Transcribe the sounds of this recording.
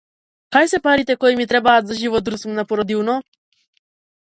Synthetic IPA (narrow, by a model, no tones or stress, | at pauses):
kajsɛpaɾit̪ɛkɔimit̪ɾɛbaːt̪zaʒivɔd̪ɾusumnapɔɾɔd̪ilnɔ